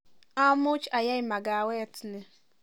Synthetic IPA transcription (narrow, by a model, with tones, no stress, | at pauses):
a˦mʊ˦t͡ʃa˨ja˦ɪ˦ma˨ɡa˨we˦˨tne˦